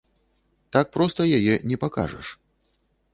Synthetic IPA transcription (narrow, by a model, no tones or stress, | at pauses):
t̪ak̚pɾɔst̪ɐjajɛnʲɛpaka̰ʐɐ̰ʂ